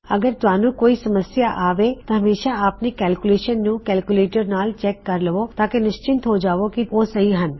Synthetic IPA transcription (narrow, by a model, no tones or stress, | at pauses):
əɡəɾt̪ʊaːnũːkoːisɐməsjaʔaːʋet̪ãɦɐmeːʃaaːpnikɛːlkʊleːʃənːũːkɛːlkuleːʈəɾnaːlt͡ʃɛːkːɐɾləʋot̪aːkenɪʃt͡ʃɪ̃nt̪ɦoːd͡ʒaːʋokioːsəɦiɦən